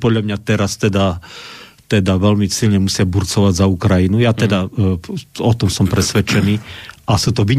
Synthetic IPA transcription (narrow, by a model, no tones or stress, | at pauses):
pɔd̪ʎamɲat̪ɛɾast̪ɛd̪a | t̪ɛd̪aʋɛʎmisiʎɲɛmusɪabuɾt͡sɔʋaɟzaukɾajinujat̪ɛd̪a | ɔt̪ɔmsɔmpɾɛsʋɛt͡ʃɛniːʔasut̪ɔʋi